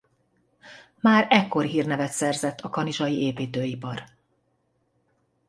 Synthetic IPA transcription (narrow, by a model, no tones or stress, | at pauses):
maːɾɛkːo̞rɦiːrnɛvɛt̪sɛrzɛt̪ʰːɒkɒniʒɒjiʔeːpiːt̪øːipɒr